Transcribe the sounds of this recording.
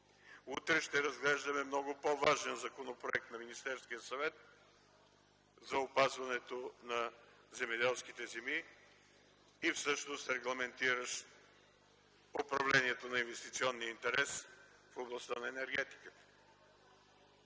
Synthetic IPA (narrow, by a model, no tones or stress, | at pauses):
ut̪ɾɛʃt̪ɛɾɐzɡlɛʒd̪əmɛmnɔɡʊpovaʒɛnzɐkonopɾoɛk̚t̪nɐminist̪ɛɾskijəsɐvɛt̪̚ | zɐopazvɐnɛt̪onɐ | zɛmɛd̪ɛlˠskit̪ɛzɛmi | fsɤʃnost̪ɾɛɡlˠɐmɛnt̪iɾəʃ | opɾɐvlɛniɛt̪onɐinvɛst̪it̪siɔnːijəint̪ɛɾɛs | foblˠɐst̪anɐɛnɛɾɡɛt̪i̥kət̪ə̥